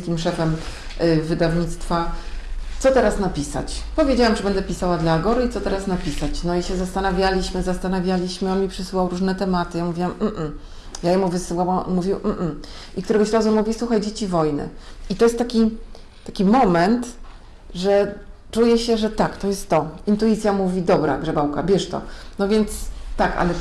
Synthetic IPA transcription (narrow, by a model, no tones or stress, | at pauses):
skʲimʂɛfɛm | vɘd̪avɲit̪st̪fa | t̪sɔt̪ɛɾasnapʲisa̰t͡ɕpɔvʲjed͡ʑawamt͡ʂɨbɛnd̪ɛpʲisawad̪laːɡɔɾɘit̪sɔt̪ɛɾasnapʲisat͡ɕnɔiɕɛzast̪anavʲjalʲiɕmɘzast̪anavʲjalʲiɕmɘɔnmʲipʂɘsɘwawɾuʐnɛt̪ɛmat̪ɘjamuvʲiwamm̩m̩ | jajɛmuvɘsɘwaw̰nmuvʲiwm̩m̩ | ʔikt̪uɾɛɡɔɕɾazumuvʲiswuxajd͡ʑet͡ɕivɔjnɘ̰it̪ɔjɛst̪ːakʲi | t̪akʲimɔmɛnt̪ | ʐɛ | t͡ʂujɛɕɛʐɛt̪akt̪ɔjɛst̪ːɔint̪uit̪sʲjamuvʲid̪ɔbɾa̰ɡʐɛbawka̰bʲjɛʂt̪ɔ̰nɔvʲjɛnt̪st̪aka̰lɛ